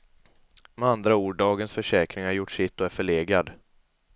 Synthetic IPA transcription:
mɛand̪ɾauːɖːɑːɡənsfœʂɛːkɾɪŋhaɾjʊʈːʂɪt̪ːɔæɾfœɭeːɡɾad̪

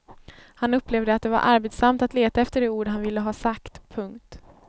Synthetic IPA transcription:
hanɵpːleːvd̪əat̪̚d̪ɛva̰ɾʔa̰ɾbet̪samt̪at̪leːt̪aɛft̪əɖɛuːɖɦanvɪlːəɦɑːsakt̪pʰɵŋkt̪

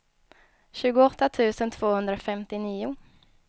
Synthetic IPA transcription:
ɕʉ̟ːɡʊɔt̪ːat̪ʰʉ̟ːsənt̪ʰv̥oːhɵnd̪ɾaofɛmt̪ɪniːʊ

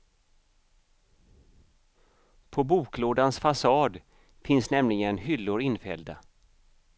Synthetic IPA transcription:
pʰɔbuːkloːd̪ansfasɑːd̪ | fɪnsnɛmlɪɡənhʏlːʊɾɪnfɛ̰ld̪a̰

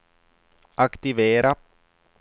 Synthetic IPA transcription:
akt̪ɪveːɾa

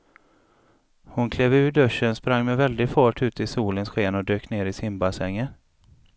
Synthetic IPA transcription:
hʊnkʰleːvʉ̟ːɖɵʂːənspɾaŋːmɛvɛld̪ɪɡfɑːʈʰʉ̟ːt̪ʰɪsuːlənsɧeːnɔd̪øːkneːɾɪsɪmbasɛŋːə

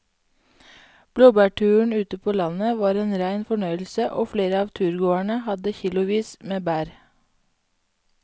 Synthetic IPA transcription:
b̥loːbæːʈʰʉːɳʉːt̪əpʰoːlɑnəʋɑːɾeːnɾæɪnfɔɳœʏl̩səʔoːfleːɾəɑːʋt̪ʰʉːɾɡoːæɳəhɑd̪əçɪlʊʋiːsmeːbæːɾ

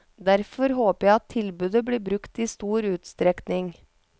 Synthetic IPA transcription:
d̪æɾfɔɾhoːpəjæɪɑt̪ʰːɪlbʉːd̪əbɽiːbɾʉkt̪iːst̪uːɾʉːt̪st̪ɾɛknɪŋ

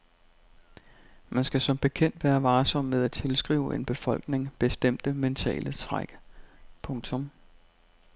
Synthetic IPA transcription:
mænsɡ̥æsɒ̽mb̥e̝kʰen̰d̥ʋæːɐʋɑ̈ːsɒ̽m̰meðˠæt͡sʰe̝lsɡ̥ʁḭːʊʔe̝nb̥e̝fɒ̽l̰ɡ̥ne̝ŋb̥e̝sd̥em̰d̥əment͡sʰɛ̰ːlət͡sʰʁaɡ̥pʰɔ̽ŋt͡sʰɔ̽m

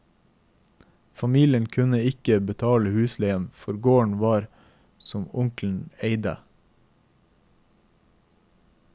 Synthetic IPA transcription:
fɑmiːlɪənkʰʉnəɪkəbət̪ʰɑːləhʉːsleɪənfɔɾɡoːɳʋɑːɾ | sɔmʊŋkln̩eɪd̪ə̰

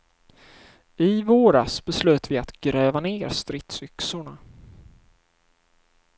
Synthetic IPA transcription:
ɪvoːɾasb̥ɛslʉ̟ːt̪vɪat̪ɡ̥ɾɛːvaneːɾst̪ɾɪt̪sʏksʊɳa

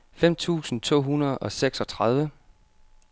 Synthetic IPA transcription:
fem̰t͡sʰṵːsn̩t͡sʰo̝̰ːɦunɐð̞̩ˠɒ̽seɡ̥sɒ̽t͡sʰʁað̞ˠʋə

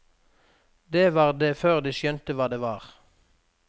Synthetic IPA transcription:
d̪eːʋɑːʁd̪eːføːʁd̪iːʃœnt̪əʋɑːd̪eːʋɑːʁ

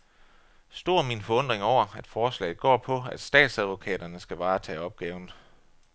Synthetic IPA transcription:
sd̥o̝ɐ̰minfɒ̽ɔ̽n̰d̥ʁeŋɒʊ̰ɐæd̥fɒːslɛ̰ɪð̩ˠɡ̥ɒ̰ːpʰɒ̽æd̥sd̥ɛ̰ːd̥sæð̞ˠʋo̝kʰɛ̰ːɾ̥ɐnəsɡ̥æʋɑ̈ːt͡sʰɛ̰ːɒ̽b̥̚ɡ̥ɛːʊn̩

